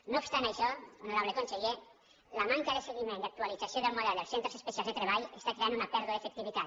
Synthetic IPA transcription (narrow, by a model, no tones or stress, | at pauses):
noupst̪anajʃɔunoɾaβlekonseʎe | lamaŋkaðeseɣimẽnd̪ak̚t̪ualid͡zasijoðelmoðɛlˠd̪elˠsent̪ɾesespesialzðet̪ɾeβ̞aʎest̪akɾeanunapɛɾðuðaefek̚t̪iβit̪at̪